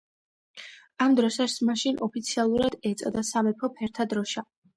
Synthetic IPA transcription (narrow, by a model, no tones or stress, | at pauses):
amd̪ɾɔsaɾsmaʃinʔɔpʰit̪sʰialˠuɾad̪ɛt̪sʼad̪asamɛpʰɔpʰɛɾt̪ʰad̪ɾɔʃa